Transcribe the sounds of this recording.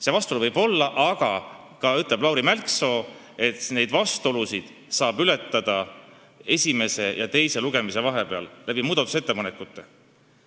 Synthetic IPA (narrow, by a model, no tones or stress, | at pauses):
se̞vɑst̪oluvɤjb̥o̞lːɑʔɑɡ̥ɑ | kɑyt̪ːˑle̞b̥lɑwɾimælkso̞ː | e̞t̪ne̞jd̪̥vɑst̪o̞lusid̪̥ | sɑːbyle̞t̪ˑːɑd̪̥ɑ | e̞sʲime̞se̞jɑ̰t̪e̞jse̞luɡ̥e̞mise̞vɑɦe̞pe̞ɑ̰llʔæb̥imuːd̪ɑt̪u̥se̞t̪ːe̞pɑnekːˑut̪ːˑe̞